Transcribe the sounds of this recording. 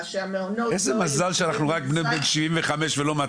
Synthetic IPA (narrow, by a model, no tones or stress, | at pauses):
mezemazalʃeanaχnuʁak̚bnebenʃivimveχame̞ʃvelo̞ma